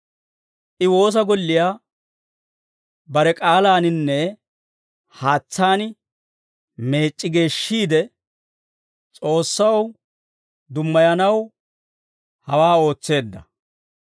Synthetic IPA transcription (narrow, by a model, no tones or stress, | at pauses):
ʔɪwo̞ːs̬ɐɡɔlːɪjaː | bɐɾɛkʼaːlaːnɪnːɛ | haːt͡sːaːn | me̞ːt͡ʃʼːɪɡe̞ːʃːiːd̪ɛ | t͡sʼo̞ːsːɐw | d̪ʊmːɐjɐnɐw | hɐwaːo̞ːt͡sːe̞ːd̪ːɐ̰